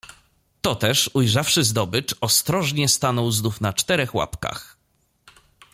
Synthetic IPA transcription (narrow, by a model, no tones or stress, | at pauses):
t̪ɔt̪ɛʂujʐafʂɘzd̪ɔbɘt͡ʂɔst̪ɾɔʐɲɛst̪anɔwznufnat͡ʂt̪ɛɾɛxwa̰pka̰x